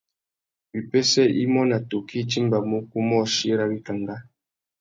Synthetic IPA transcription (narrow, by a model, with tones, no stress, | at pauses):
bi˨pe˦sɛ˦ʔi˦mɔ˦na˨to˨kʰi˦t͡ʃi˦mba˨mu˦ku˦mɔ˦˨ʃi˦ɾa˨bi˦ka˨ŋɡa˦